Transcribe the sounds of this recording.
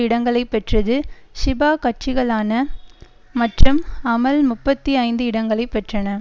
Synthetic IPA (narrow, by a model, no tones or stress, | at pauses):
ɪɽɐŋɡɐɭɐɪpːɛʈrɐðɯʃɪbaːkɐʈt͡ʃɪɣɐɭaːnɐ | mɐʈrɯmɐmɐlmʊpːɐt̪ːiɐɪnd̪ɯɪɽɐŋɡɐɭɐɪpːɛʈrɐnɐ